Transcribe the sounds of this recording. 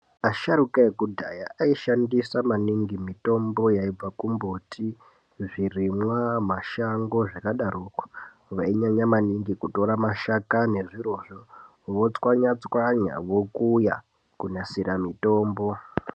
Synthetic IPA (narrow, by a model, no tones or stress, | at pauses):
aʃaɾukaekudʱa̰jaʔaiʃandisamaniŋɡimito̞mbo̞jaib͡vakumbo̞tʰi | ʐirimwamaʃaŋɡo̞ʐakaɗarukwḁ | ʋaiɲaɲamaniŋɡikuto̞ɾamaʃakane̞ʐiɾo̞ːʐo | ʋo̞t͡swaɲat͡swaɲa̰ʋo̞kuja̰ | kunasiɾamito̞ːmbo